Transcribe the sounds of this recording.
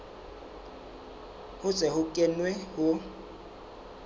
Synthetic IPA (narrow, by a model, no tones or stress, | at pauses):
hʊ̥zɛhʊkʼɛnwɛhʊ